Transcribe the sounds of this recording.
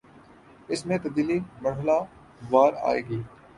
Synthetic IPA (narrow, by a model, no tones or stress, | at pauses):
ɪsmẽt̪ɐb̚d̪iːlimɐɾɦəla | ʋaːɾa̰ːḛːɡiː